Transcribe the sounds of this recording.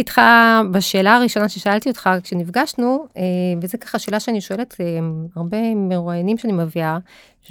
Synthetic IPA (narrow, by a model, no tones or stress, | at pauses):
itχabaʃe̞ːlaːʁiʃo̞naʃeʃaaltio̞tχakʃenifɡaʃnuevezekḁχaʃe̞ːlaʃeaniʃo̞e̞letʰeaʁbe̞meʁuajanimʃeanimevia